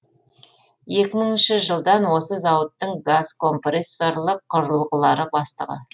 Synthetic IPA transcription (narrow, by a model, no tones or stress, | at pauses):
je̞kʲɪməɴɪnʃɪʒəlˠd̪ɑnwo̞səzɑwət̪ːəɴɡazkʰo̞mpresoɾlˠəqʰːʊɾəlˠʁəlˠɑɾəbɑst̪ə̰ʁə̰